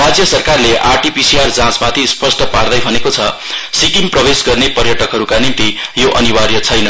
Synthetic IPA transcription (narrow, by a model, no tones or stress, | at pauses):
rad͡zjʌsʌrkarleʔarʈipisiard͡zãt͡smat̪ʰispʌsʈʌpard̪ʌjbʱʌnekot͡sʰʌ | sikimprʌbesɡʌrnepʌrjʌʈʌkɦʌɾukanint̪ijoʔʌnibaɾjʌt͡sʰʌjnʌ